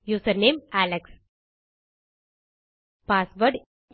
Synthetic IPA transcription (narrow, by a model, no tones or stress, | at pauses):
juːsəɾneːmæleks | pasʋəɾɖ